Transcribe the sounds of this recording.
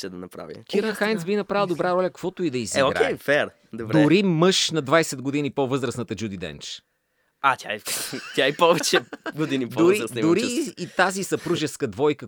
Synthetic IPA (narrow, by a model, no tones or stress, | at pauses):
ʃɛd̪ɐnɐpɾa̰vʲḭkiɾnxajnt̪sbinɐpɾalˠd̪obɾaɾɔlʲɐkɐkvɔt̪ʊid̪ɐizɛoɡɾa̰eɛfɛɾ | d̪odbɾd̪ʊɛɾimɤʃnɐd̪vajsɛd̪̚ɡod̪inipovɤzɾəsnɐt̪əd͡ʒud̪id̪ɛ̰nt͡ʃ | at̪ʲaɛt̪jaɛpɔvɛt͡ʃɛɡod̪inipd̪oɾɾiɾsnid̪ʊɾiːt̪azisɐpɾuʒɛskəd̪vɔjkə